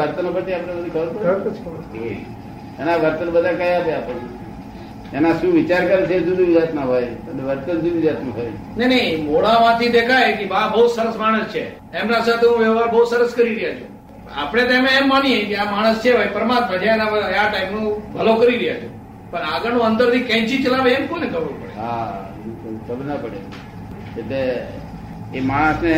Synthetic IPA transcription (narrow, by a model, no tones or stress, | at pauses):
əɾt̪ənopət͡ʃʰiapɽ̃ẽsud̪ikʰəbəɾpəɾ | e | enaʋəɾt̪ənbəd̪ʱakajat̪eapəɳe | enaʃũʋit͡ʃaɾkəɾet͡ʃʰed͡ʒud̪ʱiʋid͡ʒat̪naɦojəneʋəɾt̪əud̪iʋid͡ʒat̪nũɦoj | nejnəimoɭãʋãt̪ʰid̪ekʰajkebabəɦud̪səɾəsmaɽ̃əst͡ʃʰe | emnãsat̪ʰeɦũʋjeʋaɾbəɦud̪səɾəskəɾiɾəɦjat͡ʃʰu | a̰pəɽ̃et̪emeːmːaniekeamaɽ̃əst͡ʃʰebʱajpəɾəmat̪mãd͡ʒaenapəaʈaimnũbʱəlokəɾiɾəjat͡ʃʰu | pəɳaɡəɾnũənd̪əɾt̪ikɛ̃t͡ʃit͡ʃəlaʋeemkonekəʋũpəɽeɦã | kəbnapəɽe | d͡ʒeʈeː | maɽ̃əsne